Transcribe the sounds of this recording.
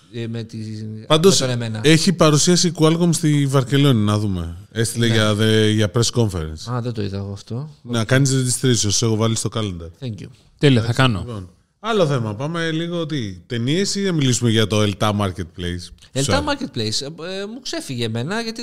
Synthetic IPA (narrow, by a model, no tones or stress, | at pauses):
met̪ipɐnd̪o̞snmenɐeçipɐɾusiɐsikuɐlko̞mst̪ivɐɾce̞lo̞ninɐðume̞̰est̪ileʝɐðeʝɐpɾe̞sko̞ɱfḛɾḛnsɐðed̪oiðɐɣoɐft̪o̞nekɐnizðet̪ist̪ɾisiosexovɐlist̪o̞kɐlend̪ɐɾθeɲcu | t̪elioθɐkɐnopo̞n | ɐlo̞θe̞mɐpɐmeliɣoot̪̬it̪e̞niesinɐmilisumeʝɐt̪o̞elt̪ɐmɐɾcet̪̚plejselɐmɐɾcet̪̚plejsmukse̞fiʝeme̞nɐʝɐt̪i